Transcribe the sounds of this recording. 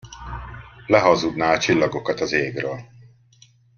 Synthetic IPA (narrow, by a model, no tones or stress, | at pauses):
lɛɦɒzud̪naːlt͡ʃilːɒɡo̞kɒt̪ɒzeːɡrøːl